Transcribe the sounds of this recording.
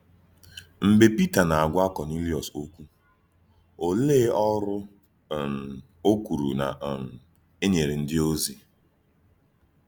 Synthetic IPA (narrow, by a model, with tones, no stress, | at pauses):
m̩˨be˨pi˦ta˨na˨a˨ɡʷa˦kɔ˨ni˦li˦ɔ˨so˦kʷu˦ | o˨le˦ɔ˦ɾʊ˦˨ | o˦kʷu˨ɾṵ˨na̰˨ | e˦ɲe˨ɾe˨n̩˦dɪ˦o˦zi˨